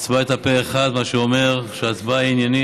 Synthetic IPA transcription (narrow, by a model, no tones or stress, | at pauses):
t͡sbaet̪apeeχad̪maʃeome̞ʁʃeat͡sbainjani